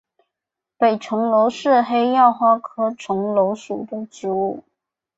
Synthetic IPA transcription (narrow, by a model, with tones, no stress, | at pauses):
pe˨˩ɪʈ͡ʂʰʊ˧˥ŋlo˧˥ʊʂɻ̩˥˩xe˥ɪjɑ˥˩ʊxwa˥kʰɤ˥ʈ͡ʂʰʊ˧˥ŋlo˧˥ʊʂṵ˨˩d̪ə˦ʈ͡ʂɻ̩˧˥u˥˩